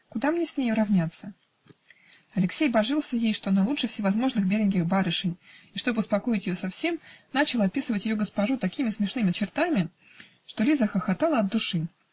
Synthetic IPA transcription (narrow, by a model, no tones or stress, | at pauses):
kʊd̪amnʲesʲnʲejʊɾɐvnʲat̪sːə | ɐlʲɪksʲejbɐʐɨlˠsʲəjejʂt̪o̞nɐlˠutʂɨfsʲɪvɐzmo̞ʐnɨxbʲeɾʲɪnʲkʲɪxbaɾɨʂɨnʲɪʂt̪o̞bɨʊspɐko̞ɪtʲjɪjosɐfsʲe̞mnat͡ɕɪlˠɐpʲisɨvətʲjɪjoɡəspɐʐut̪ɐkʲimʲɪsmʲɪʂnɨmʲɪt͡ɕɪrt̪amʲɪ | ʂt̪o̞lʲizəxəxɐt̪alˠəɐd̪̚d̪ʊʂɨ